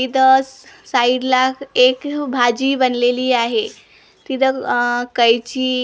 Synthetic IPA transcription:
id̪əssaiɽlakʰekbʱad͡ʑiːbənleliːaɦe | t̪id̪əkəjt͡ɕiː

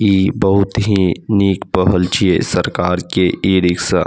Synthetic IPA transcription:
ibɐɦʊt̪ɦiniːkpɔɦəlt͡ʃiesɐɾkaːɾkeʔiːɾɪks

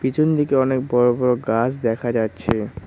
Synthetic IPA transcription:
pit͡ɕʰond̪ikeɔnek̚bɔɾobɔɾoɡasd̪ɛkʰad͡ʑatːɕʰe

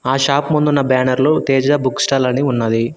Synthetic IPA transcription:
aːʃaːpmund̪unːɐbaːnɐɾloːt̪ɛːd͡ʒɐbuksʈaːlɐniunːɐd̪i

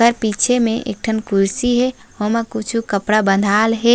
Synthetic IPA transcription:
əɾpit͡ʃʰemẽʔḛk̚ʈʰənkuɾsiɦɛ | ɦomakut͡ʃʰukəpɽabə̃nd̪ʱaːlɦɛ

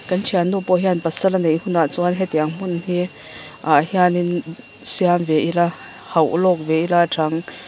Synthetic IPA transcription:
kɐnt͡ʃʰianːupɔɦianpasɐlanejnhunaʔt͡sɔanɦɛt̪iaŋm̥unhi | aʔhianin | sianvɛʔila | hɐwʔulɔk̚vɛʔilaʈ͡ʂʰaŋ

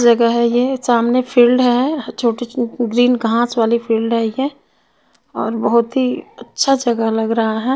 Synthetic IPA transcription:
d͡ʒɐɡəɦɛjesaːmnepʰiːlɖɦɛɦɛt͡ʃʰoːʈiɡɾiːnɡʱãːt͡ʃʋaːlipʰiːlɖɦɛje | ɔːɾbəɦʊt̪ɦiɐtːʃʰad͡ʒɐɡəlɐɡɾɐɦaɦɛː

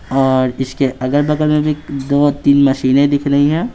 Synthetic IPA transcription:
ɔːɾɪskeʔɐɡəɾbɐkəɾmẽbʱid̪oːt̪iːnmɐʃiːnẽd̪ɪkʰnɐɦiɦɛ̃ː

